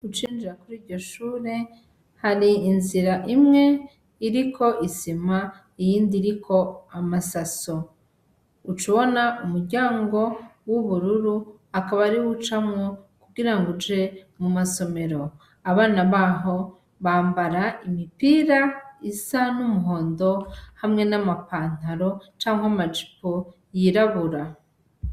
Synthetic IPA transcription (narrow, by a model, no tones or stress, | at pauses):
ut͡ʃiːnd͡ʒiɾakuɾiːɾɟo̞ʃuːɾe̞ | haɾiːnziɾaʔimŋe̞ | iɾikʰo̞ʔisima | ijiːndiːɾikʰo̞amasaso | ut͡ʃuβo̞naumuɾɟaːŋɡo̞wuβuɾuɾu | akaβaɾiwut͡ʃamŋokuɡiɾaŋɡud͡ʒe̞mumaso̞me̞ɾo̞ | aβaːnaβaːɦo̞ | βaːmbaɾaimipiɾaisanumuɦo̞ːndo̞hamŋe̞namapaːn̥aɾo̞t͡ʃaːŋɦwamad͡ʒi̥po | jiɾaβuɾa